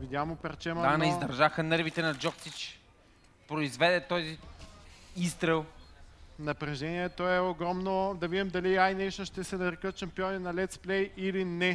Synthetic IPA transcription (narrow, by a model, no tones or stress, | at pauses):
vid̪jamʊpɛɾt͡ʃɛmɐanɐizd̪ɐɾʒaxənɤɾvit̪ɛnɐd͡ʒɔksit͡ʃ | pɾoizvɛd̪ɛt̪ɔzi | ist̪ɾɛlˠ | nɐpɾɛʒɛniɛt̪ɔɛoɡɾɔmnod̪ɐvid̪imd̪ɐliajnɛʃt̪oʃt̪ɛsɛnɐɾɛkət̪ʃɐmpiɔninɐlɛt̪splɛjilinɛ